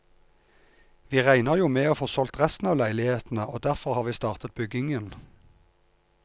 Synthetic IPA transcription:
ʋiːʁæɪnəʁjuːmeːoːfoːsɔlt̪ʁɛst̪n̩ɑːʋlæɪlɪheːt̪n̩əʔoːd̪æʁfɔʁhɑːʁʋiːst̪ɑːʁt̪ət̪̚bʏɡɪŋən

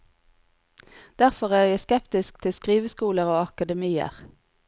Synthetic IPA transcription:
d̪̥æʁfɔʁæːʁjæskɛpt̪ɪsk̚t̪ʰɪskʁiːʋəskuːləʁoːɑkɑd̪əmiːə̰ʁ

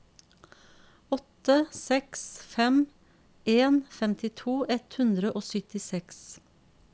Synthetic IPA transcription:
ɔt̪əsɛksfɛm | eːnfɛmt̪ʰɪt̪ʰuːʔɛt̪hʉnd̪ɾəʔoːsʏt̪ɪsɛks

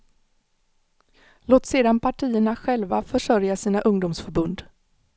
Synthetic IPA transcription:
loːt̪seːd̪anpʰaʈʰiːəɳaɧɛlvafœʂœɾjasiːnaʔɵŋd̪ʊmsfœɾbɵnd̪

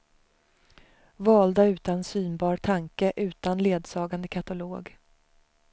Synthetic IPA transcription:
vɑːld̪aʉ̟ːt̪aɛnsyːnbɑːɾt̪ʰaŋkəʔʉ̟ːt̪anleːd̪sɑːɡand̪əkʰat̪aloːɡ

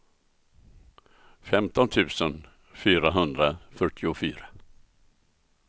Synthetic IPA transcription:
fɛmt̪ɔnt̪ʰʉ̟ːsən | fyːɾaɦɵnd̪ɾafœʈʰɪʊfyːɾa

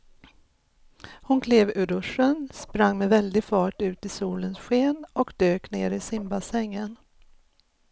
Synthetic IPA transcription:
hʊnkʰleːvʉɾɵʂːənspɾaŋːmɛvɛld̪ɪɡfɑːʈʉ̟ːt̪ɪsuːlənsɧeːnɔkd̪øːknḛːɾɪsɪmbasɛŋːən

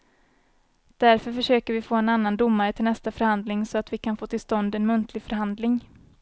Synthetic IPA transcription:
d̪̥æɾfœɾfœʂøːkəɾvɪfoːɛnanːand̪ʊmːaɾət̪ʰɪlnɛst̪afœɾhand̪lɪŋsɔat̪vɪkʰanfoːt̪ʰɪlst̪ɔnd̪ɛnmɵnt̪ʰlɪɡfœɾɦand̪lɪŋ

